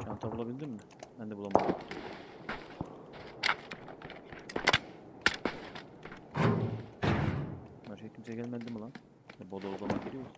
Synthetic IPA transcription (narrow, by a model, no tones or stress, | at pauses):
t͡ʃʰa̰mt̪ʰabulˠabilʲd̪imːɪ | bænd̪ɛbulˠamaɯd̪d̪i | bɛnʃejcʰimsɛɟælʲmælʲd̪imalˠan | dɛbod̪olˠamaɟiɾʲijo